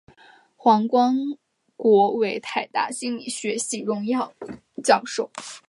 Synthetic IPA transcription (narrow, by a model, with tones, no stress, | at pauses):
xwɑ˧˥ŋkwɑ˥ŋ | kwɔ˧˥we˧˥ɪt̪ʰa˨˩ɪt̪a̰˥˩ɕi˥ŋli˨˩ɕɥɛ˧˥ɕi˨˥˩ɻʊ˧˥ŋjɑ˥˧ʊ | t͡ɕjɑ˥˧ʊʂo˥˩ʊ